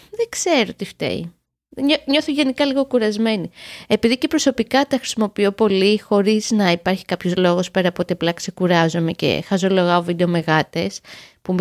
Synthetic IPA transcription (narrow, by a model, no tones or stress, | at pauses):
ðekse̞ɾo̞t̪ift̪ḛḭ | ɲoɲo̞θoʝe̞nikɐliɣo̞kuɾɐzme̞nie̞piðice̞pɾo̞so̞pikɐt̪ɐxɾi̥simo̞pio̞po̞lixo̞ɾiz̥nɐipɐɾçi̥kɐpço̞zlo̞ɣo̞spe̞ɾɐpot̪iɐplɐkse̞kuɾɐzome̞ce̞̰xɐzolo̞ɣɐovid̪e̞o̞me̞ɣɐt̪e̞spum